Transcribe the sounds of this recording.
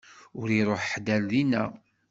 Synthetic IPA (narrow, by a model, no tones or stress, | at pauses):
ʊɾiɾˤoħħd̪ælðinæ̰